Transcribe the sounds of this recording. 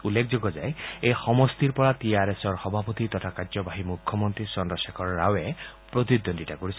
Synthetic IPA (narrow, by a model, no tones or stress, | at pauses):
ulːek̚ʰzoɡɔzajejxɔmɔst̪iɹpɔɹatiaɹesɔɹxɔbʱapot̪it̪ɔtʰakazɔbaɦimukʰːɔmɔnt̪ɹisɔndɔsekʰɔɹɔːawɛ | pɹot̪id̪onditakoɹisɔ